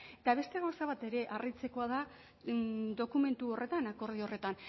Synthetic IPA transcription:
et̪aβ̞e̞st̪e̞ɣawsaβ̞at̪e̞ɾe̞ʔarit͡se̞ko̞að̞a | d̪o̞kume̞nt̪uo̞re̞t̪anako̞ɾðio̞re̞t̪an

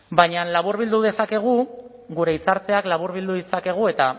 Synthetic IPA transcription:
bajɲanlaβuɾβild̪uðe̞sake̞ɣ̞u | ɣuɾe̞it͡saɾt͡se̞aklaβuɾβild̪uðisake̞ɣ̞ue̞t̪a

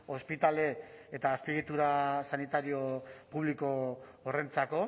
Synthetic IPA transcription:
o̞spit̪aleet̪aːspiɣit̪uɾasanit̪aɾio̞puβliko̞ːre̞nt͡sako̞

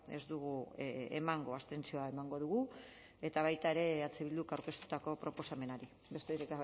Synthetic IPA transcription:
e̞̰zd̪uɣ̞uḛmaŋɡo̞ast̪e̞nt͡sio̞ae̞maŋɡo̞ðuɣu | e̞t̪aβ̞ajt̪ae̞ɾe̞at͡seβild̪ukawɾke̞st̪u̥t̪ako̞pɾo̞po̞same̞naɾi | be̞st̪eɾeka

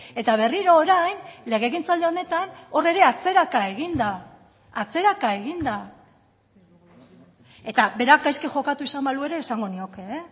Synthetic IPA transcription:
e̞t̪aβ̞e̞riɾo̞ːɾajnle̞ɣ̞e̞ɣint͡sald̪eo̞ne̞t̪ano̞re̞ɾe̞at͡se̞ɾakae̞ɣind̪aː | t͡se̞ɾakae̞ɣ̞ind̪a | e̞t̪abe̞ɾakajskeʝo̞kat̪uisamalue̞ɾe̞ːsaŋɡo̞nio̞ke̞

